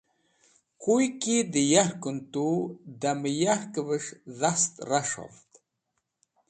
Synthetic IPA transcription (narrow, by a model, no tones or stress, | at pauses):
kujkid̪əjaɾkənt̪ud̪aməjaɾkəvəʂðast̪raʂa̰ft̪